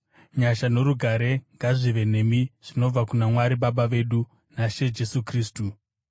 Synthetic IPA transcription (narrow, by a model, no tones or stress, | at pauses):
ɲaʃano̞ɾuɡʱaɾe̞ŋɡaʐiʋe̞ne̞miʐ̥ino̞b͡vakunamwaɾiɓaɓaʋe̞ɗu | naʃe̞d͡ʒe̞sukriːstu